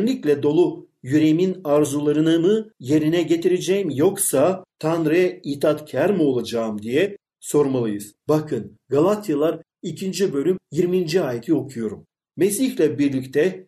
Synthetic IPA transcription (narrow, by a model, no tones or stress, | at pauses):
nlʲiclʲɛd̪o̞lˠu | jyɾejiminaɾzulˠaɾɯnɯmɯje̞ɾinɛɟe̞t̪ʰiɾed͡ʒɛjimjo̞ksat̪ʰanɾajɛiːt̪ʰat̪cʰæɾmio̞lˠad͡ʒaɯmd̪ijɛ | so̞ɾmalˠɯjɯz̥bakʰɯn | ɡalˠat̪ʰjalˠaɾ | icʰind͡ʒibø̞lʲymjiɾmind͡ʒiaːjet̪ʰio̞kʰujo̞ɾumː | esiçlʲɛbiɾlʲict̪ʰɛ